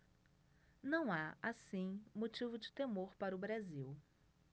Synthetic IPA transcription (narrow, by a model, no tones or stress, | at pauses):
nɐ̃w̃aasĩmot͡ʃivʊd͡ʒɪt̪emoɾpaɾʊbɾaziw